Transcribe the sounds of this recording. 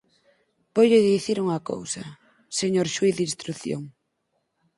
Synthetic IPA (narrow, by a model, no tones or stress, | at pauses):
pojʎɪðiθiɾuŋɐko̰wsɐ | seɲoɾʃwiθdinst̪ɾuθjo̰ŋ